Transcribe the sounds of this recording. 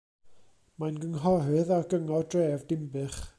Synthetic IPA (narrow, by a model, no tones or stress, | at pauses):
majnɡəŋɦɔɦɨðaɡəŋɔdreːvdɪmbɨχ